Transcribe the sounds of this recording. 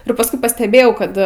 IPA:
ɪr pɐsˈkʊɪ pɐsʲtʲɛˈbʲeːjɛʊ ˈkɐt

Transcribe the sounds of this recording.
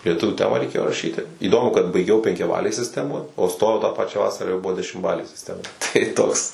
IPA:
lʲiɛˈtʊʋʲuː ˈtʲæːmɑː rʲɛɪˈkʲeːjoː rɐˈʃʲiːtʲɪ iːˈdoːmʊ kɐt bɐɪˈɡʲɛʊ pʲɛŋʲkʲɛˈbɑːlʲeːj sʲɪsʲˈtʲæːmoːj oː ˈstoːjɛʊ tɑː pɐˈt͡ʃʲæː ˈʋɑːsɐrɑː jɛʊ ˈbʊʋoː dʲɛʃʲɪmˈbɑːlʲeː sʲɪsʲˈtʲæːmɐ tɐɪ ˈtoːks

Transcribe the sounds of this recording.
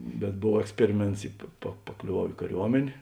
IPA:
bʲɛt ˈboːw ɛksʲˈpʲæːrʲɪˌmʲeːnts ɪ pɐ pɐ pɐklʲoːˈʋɐʊ iː kɐˈrʲuɔmʲɛnʲeː

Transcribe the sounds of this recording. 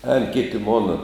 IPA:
ɛːn ˈkʲɪtʲɪ ˈmoːnɐ

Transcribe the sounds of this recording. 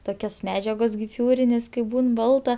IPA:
ˈtoːkʲoːs ˈmʲæːd͡ʒʲɛɡoːs ɡʲɪˈfʲuːrʲɪnʲeːs kɐɪp ˈbuːn ˈbɐlˠtɐ

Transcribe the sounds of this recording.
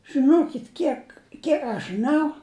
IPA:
ʒɨˈnoːkʲɪt ˈkʲiɛk ˈkʲiɛk ɐʃ ʒɨˈnɐʊ

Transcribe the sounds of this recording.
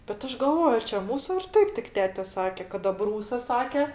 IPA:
bʲɛt ˈɐʃ ɡɐlˠˈʋoːj ɐr t͡ʃʲɛ ˈmuːsʊ ɐr ˈtɐɪp tʲɪk ˈtʲæːtʲɛ ˈsɑːkʲɛ kɐt ɐˈbruːsɐs ˈsɑːkʲɛ

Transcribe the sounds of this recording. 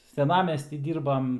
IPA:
sʲɛˈnɑːmʲɛsʲtʲiː ˈdʲiːrbɐm

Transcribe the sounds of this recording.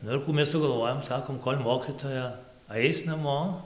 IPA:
ˈnʊ ɪr ˈkuː mʲɛs ˈsʊɡɐlˠˈʋoːjoːm ˈsɑːkoːm ˈkoːlʲ ˈmoːkʲɪtoːjɛ ˈɐɪs nɐˈmoː

